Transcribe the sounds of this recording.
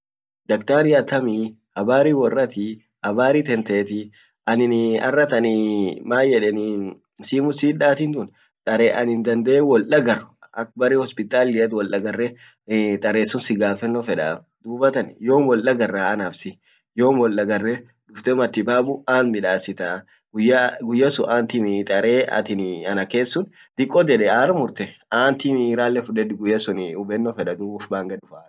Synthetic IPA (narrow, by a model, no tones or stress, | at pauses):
d̪ɐkt̪aːɾɪɐt̪ɐmi | hɐbaːɾiːwɔrːɐt̪ɪ | hɐbaːɾiːt̪ɛnt̪eːt̪ɪ | ʔɐnɪnɐ̰rːɐt̪ɐnɪmaːjjːɛᶑɛnɪ | siːmʊsiːᶑaːt̪iːnt̪ʊn | t̪ʼɐɾeʔɐnɪnd̪ɐnd̪ɛɛwɔlʔɐɡɐrʊɐk̚ːbɐrihɔspɪt̪ʼaːlɪjɐt̪wɔlʔɐɡɐrːɛ | t̪ʼɐɾeːsːʊnsɪɡaːfɛnːɔfɛᶑa̰ː | d̪uːbɐt̪ɐnjo̞ːmwɔllɐɡɐrːaːɐnaːfsɪ | joːmwɔlːɐɡɐrːɛ | ᶑʊft̪ɛmɐt̪ːɪbaːbʊaːnmɪᶑaːsɪt̪aː | ɡʊjːaɡʊjːɐsʊʔaːnt̪ɪmit̪ʼɐɾeːɐ̰t̪ɪnɐnɐke̞ːsːʊn | d̪̥ɪkʼːɔd͡ʒ̪ɛᶑɛaːɾmʊɾt̪ɛaːnt̪ɪmiɾaːlːɛfʊᶑɛd̪ɪɡʊjːɐsʊnʊbɛnːɔfɛᶑɐd̪uːbʊfbaːŋɡɐᶑʊfaː